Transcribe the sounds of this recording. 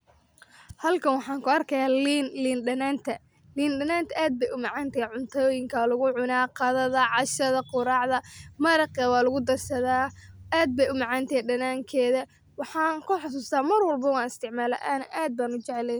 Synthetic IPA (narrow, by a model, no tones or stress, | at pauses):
hɐlkʰɐnwɑħɑːŋkʰʊɐrkʰɐjaːlinliːnɖɐnaːnt̪ʰɐ | liːnɖɐnaːnt̪ʰɐʔaːd̪̚bɛjʊmɑʕɑːnt̪ʰɐjʕʊnt̪ʰɔːjɪŋkʰɐlʊɣʊʕʊnaːqɑðɐðɐʕɑʃɐðɐqʊɾɑːʕðɐmɐɾɐqɐwɑːlʊɣʊd̪ɐrsɐðaːʔaːd̪̚bɛjʊmɑʕɑːnt̪ʰɛɛjɖɐnaːŋkʰɛːðɐ | wɑħɑːŋkʰʊħʊsuːst̪ʰaːmɐrwɐlbɐwɑːnɪst̪ʰɪʕmaːlɐʔaːnʔaːd̪̚baːnʊt͡ʃɛʕɛlɛn